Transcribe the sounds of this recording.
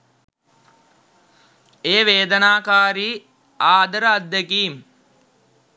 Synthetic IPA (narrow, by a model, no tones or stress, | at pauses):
eːʋeːd̪ənaːkaːɾiː | aːd̪əɾəːd̪ːekiːm